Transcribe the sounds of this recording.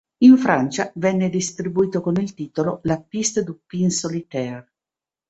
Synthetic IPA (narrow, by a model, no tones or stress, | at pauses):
iɱfɾant͡ʃavɛnːed̪ist̪ɾibuiːt̪okonilt̪iːt̪ololapist̪d̪upinsolit̪ɛr